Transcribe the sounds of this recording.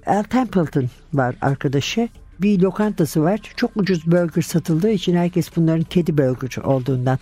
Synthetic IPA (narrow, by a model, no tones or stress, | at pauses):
ælʲt̪ʰæmpilˠt̪ʰɯn | vaɾa̰ɾkʰad̪aʃɯ | bilʲo̞kʰant̪ʰasɯvaɾ̥t͡ʃʰo̞kud͡ʒuzbølʲɟyɾsat̪ʰɯlˠd̪ɯːit͡ʃʰinhæɾcʰɛsbunlˠaɾɯncʰed̪ibølʲɟyɾo̞lˠd̪uːnd̪an